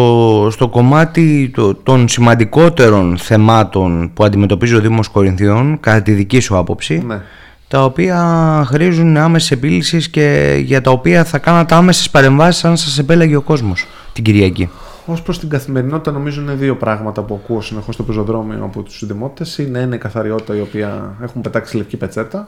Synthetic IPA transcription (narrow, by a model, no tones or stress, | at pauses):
ost̪o̞ko̞mɐt̪it̪ot̪o̞nsimɐnd̪iko̞t̪e̞ɾo̞nθe̞mɐt̪o̞npuɐnd̪ime̞t̪o̞pizio̞ðimo̞sko̞ɾinθio̞nkɐt̪ɐt̪iðicisuɐpo̞psine | t̪ɐo̞piɐxɾizunɐmesese̞pilisisce̞ʝɐt̪ɐo̞piɐθɐkɐnɐt̪ɐme̞sespɐɾe̞ɱvɐsi̥sɐnsɐse̞pe̞lɐʝeo̞ko̞zmo̞s | t̪iɟiɾʝɐci | o̞spɾost̪iɡɐθimeɾino̞t̪i̥t̪ɐno̞mizunineðio̞pɾɐɣmɐt̪ɐpuɐkuosine̞xo̞st̪opezo̞ðɾo̞mio̰ɐ̰pot̪u̥sðimo̞t̪i̥t̪e̞sineineikɐθɐɾio̞t̪i̥t̪ɐio̞piɐe̞xumpe̞t̪ɐksilefcipe̞t͡se̞t̪ɐ